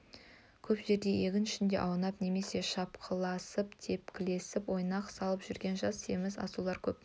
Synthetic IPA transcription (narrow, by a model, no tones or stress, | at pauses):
kʲʰɵpʒe̞ɾd̪e̞je̞ɡʲɪnɪʃɪnd̪e̞̰ʔɑwənɑpne̞me̞se̞ʃɑpqʰəlˠɑsəpt̪ʰe̞pkʲɪle̞sɪpwo̞jnɑqsɑlˠəpʒ̥ʏɾɡʲe̞nʒɑst̪ʰe̞̰mɪzɑ̰sulˠɑɾkʲʰɵp̚